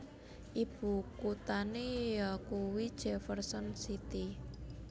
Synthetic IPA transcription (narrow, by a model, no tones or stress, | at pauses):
ʔib̥ṳkut̪anejakuwid̥ʒ̥ɛfərsɔnsit̪i